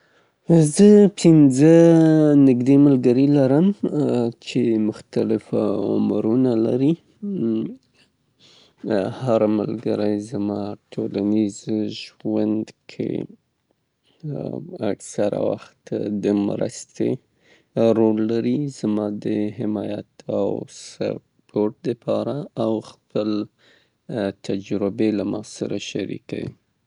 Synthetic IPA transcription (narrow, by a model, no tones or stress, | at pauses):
zəpʰɪnzənɪɡd̪eməlɡəɾilaɾəm | t͡ʃemʊxt̪alɪfaʊ̰mɾunala̰ɾi | haɾməlɡəɾajzamɑʈʰolanizʒwand̪kʰḛ | aksaɾa̰wa̰xt̪d̪əmɾa̰st̪e | ɾolːaɾizmɑd̪əɦɪmɑjat̪ʰawsa̰ɾ | pʰoʈ̚d̪əpʰɑɾaawxpəl | t̪ʰad͡ʒɾɪbelamɑsaɾaʃaɾḭka̰wḭ